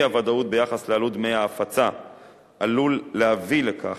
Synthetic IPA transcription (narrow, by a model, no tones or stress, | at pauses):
avad̪aut̪̚bejaχaslealud̪mejaːfat͡sa | ʔalulːeavilekʰa̰